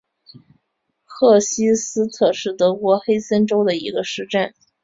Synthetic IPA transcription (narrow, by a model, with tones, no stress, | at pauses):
xʰɤ˥˩ɕi˥sɹ̩˥t̪ʰɤ˥˧ʂɻ̩˥˩t̪ɤ˧˥kwɔ˧˥xe˥ɪsə˥nʈ͡ʂo˥ʊd̪ə˨ḭ˧˥ɡə˧ʂɻ̩˥˧ʈ͡ʂa˥˩n